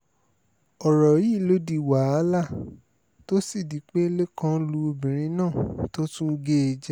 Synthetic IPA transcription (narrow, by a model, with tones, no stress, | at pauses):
ɔ˨ɾɔ˨˦i˦˨lo˦di˧˨wa˨˦a˦la˦˨ | to˦si˦˨di˨˦k͡pe˦le˦kã˦lu˧˦o˧bĩ˨ɾ̃ĩ˧˦nãː˦˨to˦tũ˦ɡe˦e˧d͡ʒɛ˦